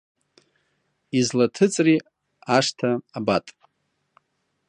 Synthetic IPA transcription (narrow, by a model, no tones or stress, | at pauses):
izlatʰɨt͡sʼri | aʂtʰaːbatʼ